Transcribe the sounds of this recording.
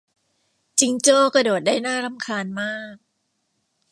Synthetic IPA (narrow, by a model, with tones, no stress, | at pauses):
t͡ɕi˧ŋt͡ɕoː˥˩kɾa˧doː˨˩t̪̚daː˥˩jnaː˥˩ɾa˦mkʰaː˧nmaː˥˩k̚